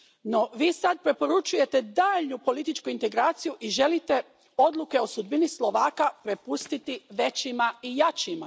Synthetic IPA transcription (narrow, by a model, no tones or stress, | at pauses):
no̞ʋiːsad̪̚pɾe̞po̞ɾut͡ʃuje̞t̪e̞d̪aːʎnupo̞lit̪it͡ʃkuint̪e̞ɡɾaːt̪sijuʔiʒe̞lit̪e̞ | o̞d̪lˠuke̞o̞sud̪binislˠo̞ʋaːkapɾe̞pust̪it̪iʋe̞t͡ɕimaijat͡ɕima